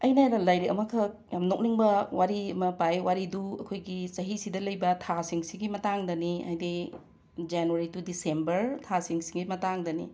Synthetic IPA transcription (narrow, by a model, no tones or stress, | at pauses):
ɐjnɐdɐlajɾekɐmɐkʰɐ | jamnok̚niŋbɐwaɾiɐmɐpajwaɾiduɐkʰojɡisɐɦisidɐlɐjbɐtʰasiŋsiɡimɐtaŋdɐnia̰jdi | d͡ʒanuaɾitudisembɐɾtʰasiŋsiŋɡimɐtaŋdɐnḭ